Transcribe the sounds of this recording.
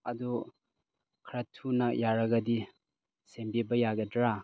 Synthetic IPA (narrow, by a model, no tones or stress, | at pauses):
ɐdu | kʰɾɐtʰːunɐjaɾɐɡɐdi | sembibɐjaɡɐdɾa